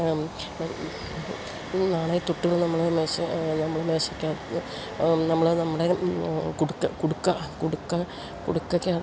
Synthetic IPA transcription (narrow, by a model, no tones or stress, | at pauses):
naːɳɐjit̪uʈːuɣɐɭnɐmːɐɭemeːɕɐnɐmːɐɭeme̞ːɕɐkʲːaːð | nɐmːɐɭnɐmːɐɽekoɽukːɐkoɽukːɐkoɽukːɐ | koɽukːɐkʲːaː